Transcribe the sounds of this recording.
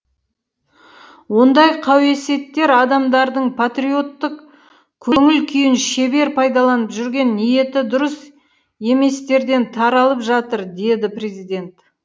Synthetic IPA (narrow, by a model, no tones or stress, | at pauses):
wo̞nd̪ɑjqʰɑwe̞se̞t̪ːe̞ɾɑd̪ɑmd̪ɑɾd̪əɴpʰat̪rio̞t̪ːək | kʲʰɵŋɪlkʲʰʏjɪnʃe̞be̞ɾpʰɑjd̪ɑlˠɑnəpʒʏɾɡʲe̞nːije̞t̪ɪd̪ʊɾəs | e̞me̞st̪e̞ɾd̪e̞nt̪ʰɑɾɑlˠəpʒɑt̪əɾd̪e̞d̪ɪpre̞zijd̪e̞nt̪